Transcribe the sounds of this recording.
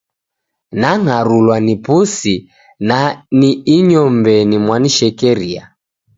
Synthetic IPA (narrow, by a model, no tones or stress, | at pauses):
naŋaɾulwanipusi | naniːɲɔmbɛnimwaniʃɛkɛɾia̰